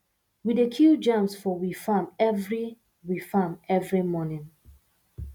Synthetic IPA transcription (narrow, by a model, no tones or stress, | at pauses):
widekʰjud͡ʒãmsfɔwifamɛvɹi | wifamɛvɹimɔnɪ̃n